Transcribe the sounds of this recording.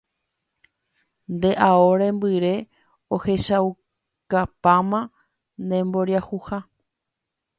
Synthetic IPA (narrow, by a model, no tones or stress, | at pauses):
nd̪e̞ʔaoɾẽ̞mbɨɾe̞ | ohe̞ʃaw | kapãmã | nd̪ẽ̞mbo̞ɾjahuha